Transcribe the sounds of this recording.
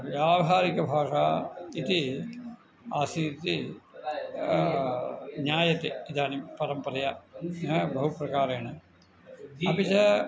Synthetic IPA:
ʋjaːʋɐɦaːɾikɐbʱaːʂait̪i | aːsiːɾt̪i | ɲaːjɐt̪ːiid̪aːnimpɐɾɐmpɐrɐja | bɐɦuprɐkaːɾɐjanɨ | ɐpit͡ɕɐ

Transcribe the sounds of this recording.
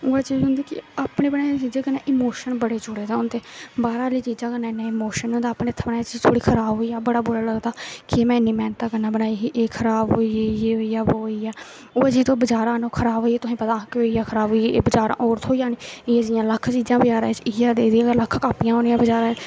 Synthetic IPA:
oːaːt͡ʃiːd͡ʒɦʊ̃nd̪iːkɪ̰aːpɳeːbənaːt͡ʃiːd͡ʒeːkənã̰ːʔɪmoːʃənbəɽeːd͡ʒʊɽeːd̪aːɦʊnd̪eːbaːɾaːliːt͡ʃiːd͡ʒãːkənãːɪnːãːɪmoːʃənʊ̃nd̪aːpneːt̪ʰənaːt͡ʃːt̪ʰoːɽiːkʰəɾaːbɦoːiːaːbəɽaːbʊɾaːləɡd̪aːkɪmɛ̃ːɪnːiːmɛːnt̪aːkəɾnaːbənaːiɦiʔeːkʰəɾaːbɦoːiɦoːiaːboːiːaː | oːd͡ʒiːt̪õːbəd͡ʒaːɾãːnõːkʰəɾaːbɦoːiːɛːt̪ʊsĩːpət̪ãːkeɦoːiːaːkʰəɾaːbɦoːieḛːbəd͡ʒaːɾã̰ːʔoːɾt̪ʰɦoːijãːniːɪeːd͡ʒɪjãːləkʰːt͡ʃiːd͡ʒãːbəd͡ʒaːɾãːt͡ʃɪjaːd̪eːd̪ijãːləkʰkaːpɪjãːɦõːnɪjãːbəd͡ʒaːɾãː

